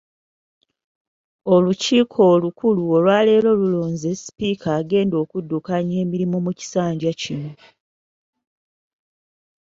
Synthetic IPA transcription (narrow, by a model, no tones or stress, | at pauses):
o̞luciːkʰo̞ːlukuluolwaːle̞ːlo̞luloːɲzespiːkaːɡe̞ːndo̞ːkudːukaɲe̞ːmiɾimomuci̥saːɲɟacino